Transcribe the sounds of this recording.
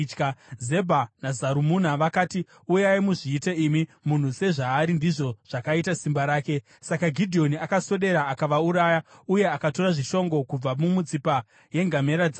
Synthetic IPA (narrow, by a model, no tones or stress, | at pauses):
kaze̞bʱanazaɾumunaʋakaːti | ujaimuʐiːteimimun̤use̞ʐaːɾindiʐo̞ʐ̥akaitasimbaɾaːke̞ | sakaɡʱidʱio̞niakaso̞ɗe̞ɾaːkaʋauɾajauje̞akato̞raʐiʃo̞ŋɡo̞kub͡vamumut͡sipa | je̞ŋɡame̞ɾad͡za